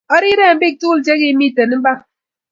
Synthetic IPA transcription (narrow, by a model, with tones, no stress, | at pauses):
ɔ˦ɾi˦ɾe˦˨m̩˦bi˦k̚tu˦l̩˦d͡ʒe˦ɣi˦mi˦˨te˨n˦m̩˦ba˦k̚